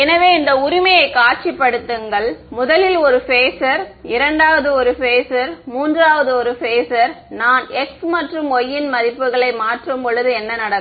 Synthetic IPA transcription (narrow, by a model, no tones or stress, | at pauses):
ɛnɐʋeːɪnd̪ɐʊɾɪmɐjɐɪkːaːʈ̚t͡ʃɪpːɐɽɯt̪ːɯŋɡɐɭmʊðɐlɪlɔɾɯfeːsɐɾɪɾɐɳɖaːʋɐðɯɔɾɯfeːsɐɾmuːndraːʋɐðɯɔɾɯfeːsɐɾnaːnɛksmɐʈrɯmɔjːɪnmɐɾɪpːɯɣɐɭɐɪmaːʈrɯmpɔɭɯðɯɛnːɐnɐɽɐ